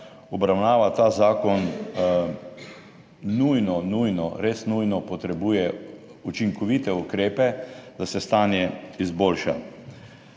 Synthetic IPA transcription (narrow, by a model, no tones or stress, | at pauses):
ɔbɾawnaːʋat̪aːzaːkɔn | nujnɔnujnɔɾesnujnɔpɔt̪ɾɛbuːjɛ | ut͡ʃiŋkɔʋiːt̪ɛukɾeːpɛd̪asɛst̪aːnjɛizboːlʃa̰